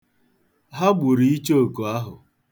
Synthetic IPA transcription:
ɦa˦ɡ͡bʊ˨ɾi˨˦i˦t͡ʃo˦o˨ko˨a˦ɦʊ˨

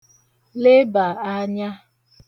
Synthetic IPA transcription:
le˦ba˨a˦ɲa˦

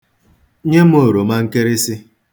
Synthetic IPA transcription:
ɲe˦m̩˦o˨ɾo˨ma˦ŋ̩˦ke˦ɾe˦sɪ˦

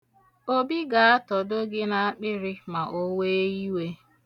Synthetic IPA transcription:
o˦bi˦ɡa˨a˦tɔ˨dʊ˦ɡɪ˦na˦a˦k͡pɪ˦ɾɪ˦ma˨ʔo˦we˦i˦we˦

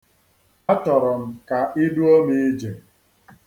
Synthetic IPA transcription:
ɔ˦tɔ˨ɾɔ˨m̩˦ka˨ʔɪ˦du˦o˦mi˦i˦d͡ʒe˨

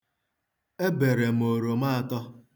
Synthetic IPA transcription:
e˦be˨ɾe˨m̩˨o˨ɾo˨ma˦a˦˨tɔ˦

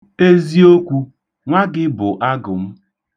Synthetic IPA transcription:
e˦zi˦o˦kʷu˦ | ŋʷa˦ɡɪ˦bʊ˨ʔa˦ɡʊ˨m̩˦

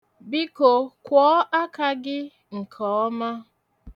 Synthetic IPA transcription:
bi˦ko˨kʷɔː˦ʔa˦ka˦ɡɪ˦ | ŋ̩˨kʰɔ˨ɔ˦ma˦

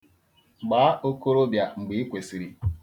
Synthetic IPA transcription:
ɡ͡baː˨˦ʔo˦ko˦ɾo˦bja˨ŋ͡m̩˨ɡ͡bi˨˦kʷe˨si˨ɾi˨

